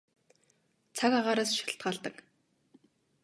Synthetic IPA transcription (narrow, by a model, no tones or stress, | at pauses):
t͡sʰakaʁaːɾaːsʃi̥ɬt̪̚ɢaːɮt̪ə̆k